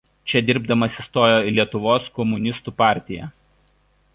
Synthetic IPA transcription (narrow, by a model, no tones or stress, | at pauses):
t͡ʃʲɛd̪ʲɪɾbd̪ɐmɐsʲɪst̪oːjoːɪlʲiɛt̪ʊʋoːskɔmʊnʲɪst̪uːpɑːˑɾʲt̪ʲɪjɛ̰